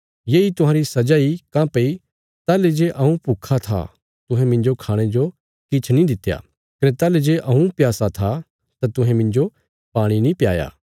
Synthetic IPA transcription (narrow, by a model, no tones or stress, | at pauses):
jeːit̪ʊɦãːɾisɐd͡ʒaːikãːpei | t̪aːled͡ʒeʔɐũpuːkʰat̪ʰa̰ | t̪ʊ̃ɦɛ̃mɪ̃nd͡ʒokʰaːɽ̃ed͡ʒo | kɪt͡ʃʰnĩd̪ɪt̪ːja̰ | kɐɾet̪aːled͡ʒeʔɐũpjaːsat̪ʰa | t̪at̪ʊ̃ɦɛ̃mɪ̃nd͡ʒo | paːɽ̃inĩpjaːja̰ː